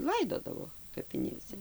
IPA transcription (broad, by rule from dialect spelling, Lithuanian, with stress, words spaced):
ˈlˠɐɪdoːdɐʋoː kɐpʲɪˈnʲeːsʲɛ